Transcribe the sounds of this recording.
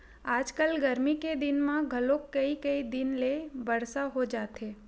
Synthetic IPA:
aːd͡ʒkəlɡɐɾmiked̪ɪnmãɡʱɐlõkːɐikɐid̪ɪnlebɐɽsaɦod͡ʒaːt̪eː

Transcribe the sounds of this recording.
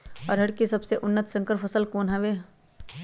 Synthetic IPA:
ɔːɾɦɐɽkisɐbseʔʊnːət̪sə̃ŋkəɾpʰɐsəlkoːnɦɐʋeː

